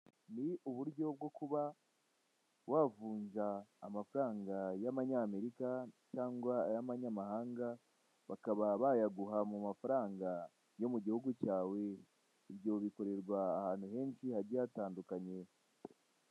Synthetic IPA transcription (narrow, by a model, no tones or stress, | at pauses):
niʔuβuɾɟo̞b̚ɡo̞kuβa | waːvuːnzaːmafɾaːŋɡajaβaɲame̞ɾikacaːŋɡwaɾaβaɲamahaːŋɡa | βakaβaβajaɡuɦamumafaɾaːŋɡa | jo̞muɟihuɡucaːwe̞ | iβjo̞βiko̞ɾe̞ɾɡwaːhaːn̥huɦe̞ːnʃihaɾɟataːndukaɲe̞